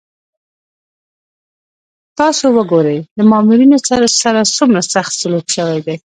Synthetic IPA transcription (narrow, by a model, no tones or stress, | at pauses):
t̪ɑsowəɡoɾəjd̪əmɑmuɾinosaɾasaɾasumɾasaxt̪salokʃəwajd̪ej